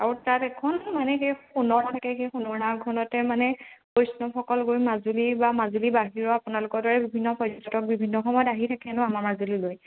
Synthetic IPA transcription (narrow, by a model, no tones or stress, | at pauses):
aɹutatɛkʰɔnmanɛxejxunɔɹnatʰakɛxejxunɔɹnaɡʱɔnɔtɛmanɛkojsnɔxʰɔkɔlɡojmazulibamazulibaɦiɹɔapʊnalʊkɔɹdɔɹɛbibʱinːɔpɔzɔntɔtɔk̚bibʱinːɔxɔmɔjɔtaɦitʰakɛnʊamaɹmazuliloj